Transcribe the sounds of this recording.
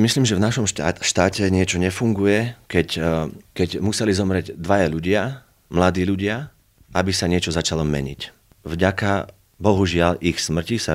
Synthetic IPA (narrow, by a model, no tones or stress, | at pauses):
misliːmʒɛvnaʃɔmʃt̪aːcɛɲɪɛt͡ʃɔɲɛfuŋɡujɛkɛckɛɟmusɛlizɔmɾɛɟd̪ʋajaʎuɟɪa | mlad̪iːʎuɟɪa | ʔabisaɲɪɛt͡ʃɔzat͡ʃalɔmɛ̰ɲḭc | vɟaka | bɔɦuʒɪalʔixsmr̩cisa